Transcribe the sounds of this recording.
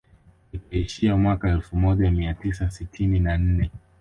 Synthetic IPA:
ikaiʃiamwakaɛlfumɔʄamiatisasitʰininan̩nɛ

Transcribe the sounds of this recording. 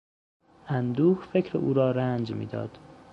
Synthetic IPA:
ʔænd̪uːhfe̞cʰɾeuːɾɒːɾænd͡ʒmḭːd̪ɒ̰ːd̪̥

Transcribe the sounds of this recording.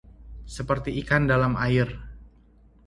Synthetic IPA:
səpərt̪iːkandalamaɪr

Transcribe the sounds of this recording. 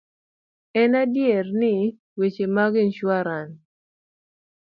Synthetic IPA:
ɛnadjɛrnɪ | wet͡ʃemaɡɪnʃwaɾan

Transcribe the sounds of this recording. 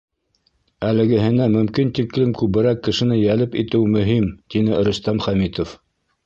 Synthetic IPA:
ælɘ̆ɡɘ̆ɦɘ̆næmɵ̆mkint̪iklɘmkʉβɘ̆ɾækːɘ̆ʃɘ̆nɘjælɘpit̪ɘwmɵ̆ɦimt̪inɘɾɵ̆st̪æmχæmit̪of

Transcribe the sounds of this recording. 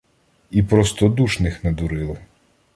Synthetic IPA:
ipɾɔst̪ɔd̪uʃnɪxnɐd̪uɾɪlˠɔ

